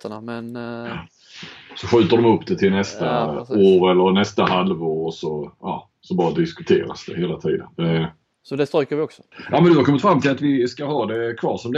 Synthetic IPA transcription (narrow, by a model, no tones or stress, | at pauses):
t̪ənamɛn | sɔɧʉ̟ːt̪əɖɔmɵpːd̪ɛt̪ʰɪlnɛst̪aoːɾɛlːəɾnɛst̪aɦalvoːɾsɔɑ̰ː | sɔbɑːɾad̪ɪskɵt̪ʰḛːɾa̰sd̪ɛheːlat̪ʰḭːd̪ə̰nd̪ɛ | sɔd̪ɛst̪ɾɔːkəɾvɪɔksɔ̥jɑ̰ːmɛnd̪ɵhaɾkʰɔmːɪt̪fɾamːt̪ʰɪlat̪vɪskaɦɑːd̪ɛkʰvɑ̰ːʂɔmd̪